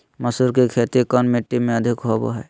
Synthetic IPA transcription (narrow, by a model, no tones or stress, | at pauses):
məsuɾkikʰet̪ikənmeʈːimẽəd̪ʱɪkɦobo̰ɦɛ̰